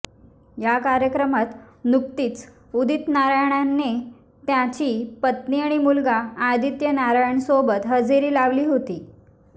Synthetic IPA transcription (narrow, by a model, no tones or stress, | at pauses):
jakaɾjəkɾəmat̪nuk̚t̪iːt͡s | ud̪ʱit̪naɾajɳ̃anːe | t̪jãt͡ɕiːpət̪niːaɽ̃imulɡaːd̪it̪jənaɾajɳsobət̪ɦəd͡zeɾiːlaʋliːɦot̪iː